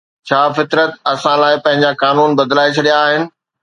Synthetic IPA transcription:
t͡ɕʰaːfɪt̪ɾət̪ɐsãlaːɪpɐ̃ɦɪ̃ɲ̆d͡ʑakaːnuːnbɐd̪laːet͡ɕʰɐɗijaːɦɪnɪ̆

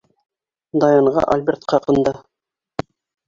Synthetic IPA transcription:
d̪ɑjɑɴʁɑ̰ʔɐlʲbʲert̪qɑqɤ̆nd̪ɑ

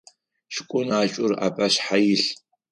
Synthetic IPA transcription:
ʃɪkʷʼʊnaːt͡ʃʼʊra̰ːpʼɐɕħajɪɬ

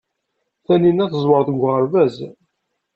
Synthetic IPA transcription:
θæninæθəzˤwəɾˤθəɡʷʁəɾvæz

